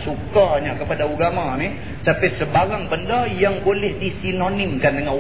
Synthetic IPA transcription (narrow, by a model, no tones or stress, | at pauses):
sukaɲakəpadauɡamanɪh | sapɛsəbaɾaŋbəndajaŋbolɛhdisinonɪmkandəŋan